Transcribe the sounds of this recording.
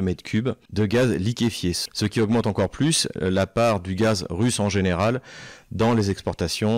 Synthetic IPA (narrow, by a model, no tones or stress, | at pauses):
mɛd̪kʲʰybd̪əɡazlikʲefjesəkʲiɔɡmɑ̃t̪ɑ̃kɔʁplyslapaʁd̪yɡazʁysɑ̃ʒeneʁald̪ɑ̃lezɛkspɔʁt̪asjɔ̃